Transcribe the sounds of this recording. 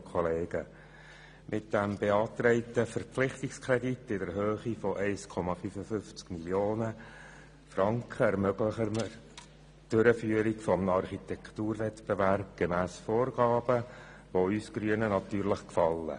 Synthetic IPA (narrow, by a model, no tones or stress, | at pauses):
kʰɔleːɡ̥ə | mʔɪt̚d̥æmbeɑːt̪ɾɛɪtəfəɾpflɪχtɪkskʰɾɛditːɪdɛɾɦøːχifɔʔæɪskʰɔmɑfyfəfʏnft͡skmiljoːnə | fɾɑŋkχəɛɾmøɡləχəməɾ | d̥ʏɾəfyːəɾikfɔmnɑrχit̪ɛktuːɾvɛtbeværb̥̚ɡ̥emæːsfoːrɡ̥ɑːbə | ʋoyːsɡ̥ɾyənənɑtyːɾləχkfɑlːə̰